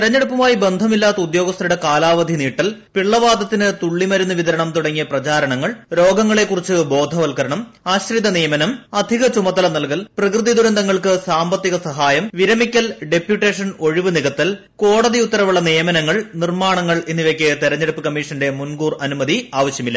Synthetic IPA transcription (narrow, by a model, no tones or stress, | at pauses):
t̪iɾɐɲːeɽupːɐmaːjibe̞nd̪ʱɐmilːaːt̪ːɐud̪jo̞ːɡɐst̪ʰɐɾuɽe̞kaːlaːʋɐd̪ʱiniːʈːɐlpiɭːɐʋaːd̪ʱɐt̪ːinɨt̪uɭːimɐɾunːuʋiðɐɾɐɳɐmt̪uɽɐŋːijɐprɐt͡ɕaːɾɐɳɐŋːɐɭɾo̞ːɡɐŋːɐɭe̞kːurit͡ɕːɨbo̞ːd̪ʱɐʋɐlkɐɾɐɳɐm | aːɕrid̪ɐnijɐmɐnɐmɐd̪ʱiɣɐt͡ɕumɐt̪ːɐlɐnɐlkɐlprɐkrɨðid̪uɾɐnd̪ɐŋːɐɭkɨsaːmbɐt̪ːiɣɐsɐɦaːjɐmʋiɾɐmikʲːɐlɖe̞pjuʈːeːʂɐno̞ɻiʋɨniɣɐt̪ːɐl | ko̞ːɽɐðiut̪ːɐɾɐʋuɭːɐnijɐmɐnɐŋːɐɭnirmaːɳɐŋːɐɭenːiʋekʲːɐt̪iɾɐɲːeɽupːɨkɐmːiʂɐnde̞munɡuːrɐnumɐðiaːʋɐɕjɐmilːɐ